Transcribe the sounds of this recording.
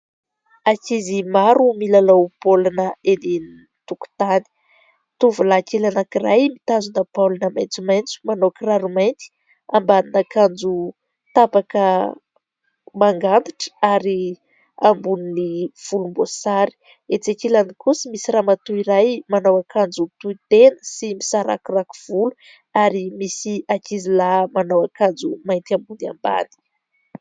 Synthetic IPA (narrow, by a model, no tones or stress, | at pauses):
akizimaɾumilalowpolanəeneni | t̪uku̥t̪ani̥ | t̪uvulakelanakirajmit̪azunəpalanamajnt͡sumajnt͡su̥manokiraɾumajnt̪i̥ | ambaninakand͡zu | t̪apakə | maŋɡand̪iʈ͡ʂə̥aɾi | ambuniniv̥ulumbosaɾi̥ | et͡sekilanikusimisiramat̪uiɾajmanawakʰand͡zut̪uit̪enə̥simisaɾa̰kurakuv̥ulu | aɾimisiakizilamanawakand͡zumajnt̪ambunia̰mba̰ni̥